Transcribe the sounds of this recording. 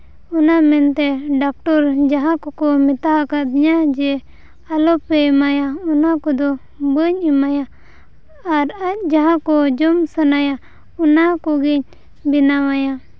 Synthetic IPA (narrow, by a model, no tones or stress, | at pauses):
ɔnamɛnt̪ɛɖak̚ʈɔɾd͡ʒaɦãkɔkɔmit̪aɦakad̪ɲad͡ʒɛ | alɔpɛmajaɔnakɔd̪ɔ | bəɲimajaː | ɾac̚d͡ʒaɦãkɔd͡ʒɔmsənaja | ɔnakɔɡiɲ | binamaja